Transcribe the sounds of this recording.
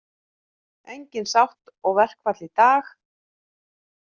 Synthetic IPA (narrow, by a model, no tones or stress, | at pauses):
ejɲcɪnsawht̪ɔɣvɛr̥kvat̪lit̪aːx